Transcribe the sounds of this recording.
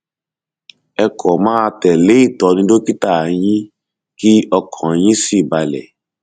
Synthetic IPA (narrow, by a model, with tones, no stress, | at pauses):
ɛ˧kʰɔ˨mãː˦a˧tɛ˨le˨˦i˦˨tɔ˧˦˧nĩ˦do˦ki˦ta˦˨j̃ĩ˦ | ki˦ɔ˧kʰɔ̃˨˦j̃ĩ˦si˦˨ba˧lɛ̰˨